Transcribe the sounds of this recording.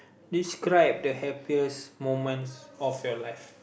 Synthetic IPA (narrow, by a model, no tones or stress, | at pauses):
diskɹaɪp̚dəhɛpiəsmõmə̃nsɔfjɔlajf